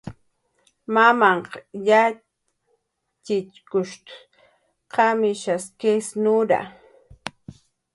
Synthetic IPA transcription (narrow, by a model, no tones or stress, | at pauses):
mamaɴqɑja | t͡ʃɪt͡ʃkʊʃt̪ʊ̥ | qɑmɪʃaskesnʊɾa̰